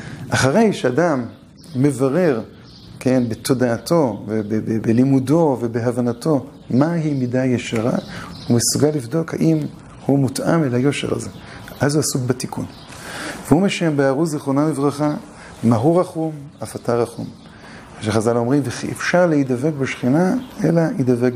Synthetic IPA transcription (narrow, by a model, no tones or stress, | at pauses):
ʔaχaʁe̞jʃeadamː | e̞vaʁe̞ʁ | ke̞nbe̞t̪ʰo̞daːtʰo̞vebebebelimudo̞ve̞beɦavanato̞ | maɦimidajeʃaʁa̰hume̞suɡalːivdo̞kha̰ʔim | humutʔamelajo̞ʃḛʁa̰ze̞ | ʔazuasuɡbatikʰun | veumeʃembeaʁuziχonamivʁaχa | maɦuʁaχumafataʁaχṵm | ʃeχazalo̞mʁimveʔefʃaʁleidave̞kbeʃχinae̞laidavek